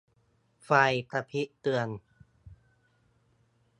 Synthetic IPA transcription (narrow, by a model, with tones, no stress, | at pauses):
fa˧jpɾa˧pʰi˦˥ʔt̪ɯ˧ən